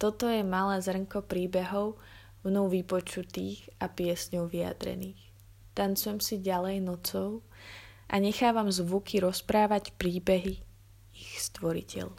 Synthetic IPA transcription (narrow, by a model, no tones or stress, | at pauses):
t̪ɔt̪ɔjɛmalɛːzr̩ŋkɔpɾiːbɛɦɔʊ | mnɔʊʋipɔt͡ʃut̪iːxapɪɛsɲɔʊʋia̰d̪ɾɛ̰niːx | t̪ant͡sujɛmsiɟalɛjnɔt͡sɔʊ | ʔa̰ɲɛxaːʋamzʋukʰiɾɔspɾaːʋacpɾiːbɛɦi | ixst̪ʋɔɾḭcɛ̰ʎ